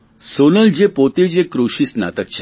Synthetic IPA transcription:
sonəld͡ʑepot̪ed͡ʑekɾoɕiːsna̰t̪ək̚t͡ɕa

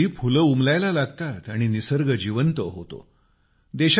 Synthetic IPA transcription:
iːpʰuləumlajlalaɡt̪at̪aɽ̃inisəɾɡəd͡ʑiʋənt̪əɦo̰t̪o̰ | d̪eɕ

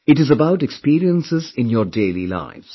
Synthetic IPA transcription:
ɪʈɪzəbaʊʈɛkspiːɾiə̃nsɪzɪ̃njɔːɾɖeːlḭla̰ɪʋz̥

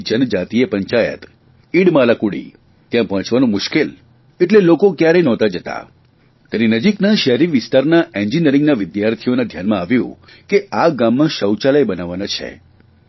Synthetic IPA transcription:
d͡ʒənd͡ʒat̪iepəɲt͡ʃajə̰t̪ | iɽmalakuɽḭ | t̪jãpəɦə̃t͡ʃʋanũmʊʃkel | eʈlelokokjaɾenɔ̃t̪ad͡ʒət̪a̰ | k̪əɾinəd͡ʒiknaʃɛɦɾiʋɪst̪aɾnaʔẽɲd͡ʒiniəɾɪ̃ŋɡnaʋɪd̪jaɾt̪ʰionad̪ʱjanmãːʋjṵ̃ | keaɡamːãʃəwt͡ʃaləjbənaʋanat͡ʃʰḛ

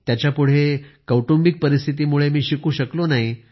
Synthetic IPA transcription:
t̪jat͡ɕjapuɽ̤ekəwʈumbik̚pəɾist̪ʰit̪̬iːmuɭemiːɕikuːɕəklonaɦi

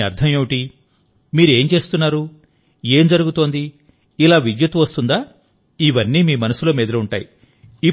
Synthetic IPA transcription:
ɐɾt̪ʰɐmjeʋuʈi | miːɾue̞ːmt͡ʃe̞ːst̪unːaːɾu | e̞ːmd͡ʒɐɾuɡut̪o̞ːnd̪i | ilaːʋid͡ʒ̪jɐt̪uʋɐst̪und̪aː | iʋɐnːiːmiːmɐnɐsulɐmiːd̪ɐlɐuɳʈa̰ːji | i

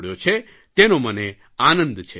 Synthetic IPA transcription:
ɽjot͡ʃʰe | t̪enoməne | anə̃nd̪t͡ʃʰe

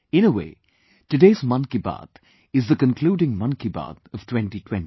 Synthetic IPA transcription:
ɪ̃nəwḛː | tɨɖeːzmʌ̃nkiba̰d̪ | ɪzd̪əkə̃nkʰluːɖɪ̃ŋmʌ̃nkiba̰d̪ʌv̥tʰwɛ̃nʈitʰw̥ɛ̃nti

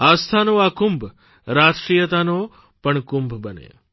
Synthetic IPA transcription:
ast̪ʰanoakʊmbʱ | ɾaʃʈɾijət̪ano | pəɳkʊmbʱbənḛ

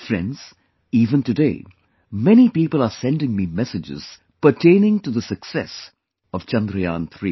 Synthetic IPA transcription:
fɾɛ̰̃nɖz̥ | iːvə̃ntɨdḛː | mɛnipiːpəlˠasɛ̃ndɪ̃ŋmimɛsɨd͡ʒɪ̰z̥ | pəɾʈʰẽɪnɪ̃ŋʈud̪əsəksɛs | ɔv̥t͡ʃʌ̃nd̪ɾəjã̰ːnt̪ʰɾḭː

